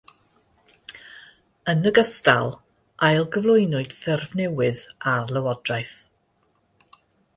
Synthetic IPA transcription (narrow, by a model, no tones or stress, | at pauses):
ənəɡəstalˠ | ʔajlˠɡəvlˠʊjnʊɨd̥θɛrvnɛwɨðarlˠəwɔdrajθ